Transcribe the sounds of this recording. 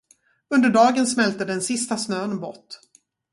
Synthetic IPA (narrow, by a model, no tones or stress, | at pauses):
ɵnd̪əɖɑːɡənsmɛlt̪əd̪ɛnsɪst̪asnøːnbɔ̰ʈː